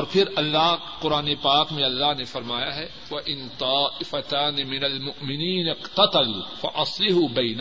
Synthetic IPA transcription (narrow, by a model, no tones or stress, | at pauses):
ɔːɾpʰɪɾɐlːaɦ | qʊɾaːnepaːkmẽɐlːaɦnefɐɾmaːjaɦɛ | ʋɐʔɪnt̪ˤɑːʔɪfɐt̪aːnɪmɪnɐlmʊʔmɪniːnɪqt̪ɐt̪ɐlfɐ̰ʔɐslɪɦubɐjn